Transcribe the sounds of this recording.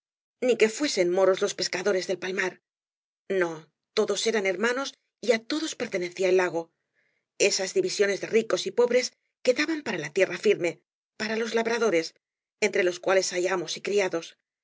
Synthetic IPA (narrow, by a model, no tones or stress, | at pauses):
nike̞fwe̞se̞nmo̞ɾo̞zlo̞spe̞skaðo̞ɾe̞zðe̞lpalmaɾ | no̞ | t̪o̞ðo̞se̞ɾane̞ɾmano̞s | iat̪o̞ðospe̞ɾt̪e̞ne̞θiaelːaɣ̞o̞ | e̞sazðiβisjo̞ne̞zðeriko̞sipo̞βɾe̞s | ke̞ðaβampaɾalat̪je̞rafiɾme̞ | paɾalo̞zlaβɾaðo̞ɾe̞s | e̞nt̪ɾe̞lo̞skwale̞saʝamo̞sikɾiaðo̞s